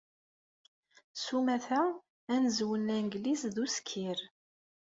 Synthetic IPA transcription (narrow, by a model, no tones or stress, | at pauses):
sumæθæ | ænəzwənænɡlizðuskʰːiɾ